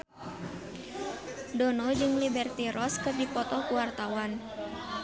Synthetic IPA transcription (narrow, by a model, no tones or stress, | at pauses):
dɔnɔd͡ʒɨŋlibɛrt̪iɾɔskədipɔt̪ɔkuwart̪awan